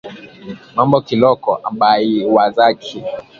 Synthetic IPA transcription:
mambɔkilɔkɔʔamɓaiwazaki

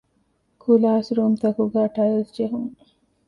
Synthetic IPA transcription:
kʰulaːsɾuːmt̪ɐkuɡæːʈɐjəlsd͡ʒeɦuŋ

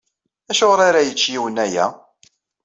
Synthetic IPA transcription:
æʃoʁɾˤaɾajət͡ʃːjiwənæjæ̰

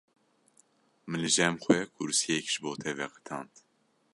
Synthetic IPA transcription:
mɨlɨʒɛmxwɛkʰʊɾsijɛkʒ̥ɨboːt̪ʰɛvɛqə̥t̪ʰɑːnt̪

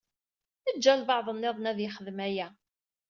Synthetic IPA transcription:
θəd͡ʒːælbɑʕðˤənːeðˤnæðjɪχəðmæjæ

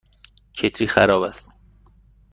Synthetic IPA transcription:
cʰet̪ʰɾiːxæɾɒːbæst̪

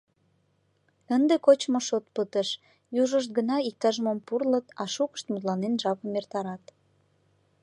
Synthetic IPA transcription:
ənd̪ekot͡ɕmoʃot̪pət̪əʃ | juʒəʃ̬t̪̚ɡənɑik̚t̪ɑʒəmompurlət̪ɑʃukə̥ʃt̪mut̪lɑnenʒɑpəmːert̪ɑɾɑt̪

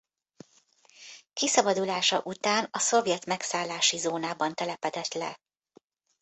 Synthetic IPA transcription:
kisɒbɒd̪ulaːʃɒʔut̪aːnɒso̞vjɛt̪mɛksaːlːaːʃizoːnaːbɒnt̪ɛlɛpɛd̪ɛt̪lɛ

